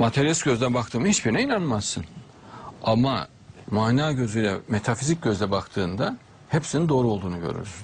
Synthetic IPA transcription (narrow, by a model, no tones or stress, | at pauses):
mat̪ʰeɾjesɟø̞zd̪ænbak̚t̪ʰɯːmɯhit͡ʃbiɾnɛinanmasːɯn | ama | maːnaːɟø̞zyjlʲɛ̰met̪ʰafizic̚ɟøzd̪ʲɛbakt̪ʰɯːnd̪a | hepsinind̪o̞ːɾuo̞lˠd̪uːnuɟø̰ɾy̰ɾ̥